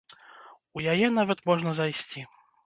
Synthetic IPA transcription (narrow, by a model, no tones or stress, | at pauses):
ujajɛnavɐt̪mɔʐnɐzajsʲt͡sʲi